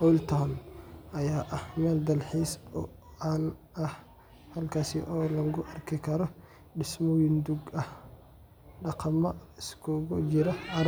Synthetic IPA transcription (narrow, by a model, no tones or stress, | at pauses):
ʔɔlt̪ʰanʔɐjaːʔɐhmɐld̪ɐlħiːsbɔal | ɐh | hɐlkʰaːsiʔɔːlɐɡʊʔɐrkʰɪkʰɐɾɔ | ɗɪsmɔwɪnd̪ʊɡɐh | ɗɑqɑmɐɪskʰɔɡɔd͡ʒɪɾɐɐɾ